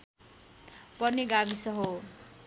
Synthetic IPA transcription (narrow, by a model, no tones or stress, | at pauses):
pʌrneɡabisʌɦo